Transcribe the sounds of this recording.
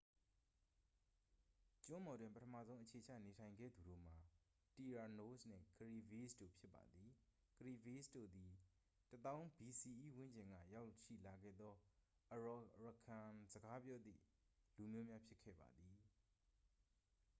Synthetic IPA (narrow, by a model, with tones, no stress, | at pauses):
t͡ɕʊ̃˦mɔ˨dwɪ̃˨mpətʰəmä̰˦˨zõ˦ʊ̃ʔət͡ɕʰe˨t͡ɕʰä̰˦˨ne˨tʰã˨ɪ̃ŋɡɛ̰˦˨d̪u˨ɾo̰˦˨m̥a˨ | ti˨ɹa˨no˦sn̥ɪ̰̃˦˨kəɹi˨vi˦sdo̰˦˨pʰjɪ˦pːa̰˨d̪i˨ | kəɹi˨vi˦sdo̰˦˨d̪i˨ | tət̪ã˦ʊ̃mbi˨si˨ʔi˦˨wɪ̃˦ɲd͡ʑɪ̃˨ŋɡä̰˦˨ja˦ʊʃḭ˦˨la˨ɡɛ̰˦˨d̪ɔ˦ | ʔəɹɔ˨ɹə˨kʰã˨zəɡa˨˦pjɔ˦d̪ðḭ˦˨ | lu˨mjo˦mja˦pʰjɪ˦kʰːɛ̰˦˨ba̰˨d̪ði˨